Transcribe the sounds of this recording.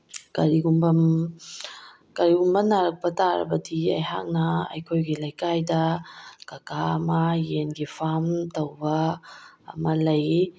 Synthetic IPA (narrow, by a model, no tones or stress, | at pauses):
kaɾiɡumbɐm | kaɾiumbɐnaɾɐk̚pɐtaɾɐ̰bɐdiɐ̰jɦa̰k̚naɐ̰jkʰojɡilɐjkajdɐkakamajenɡipʰamtɐwba̰ː | mɐlɐj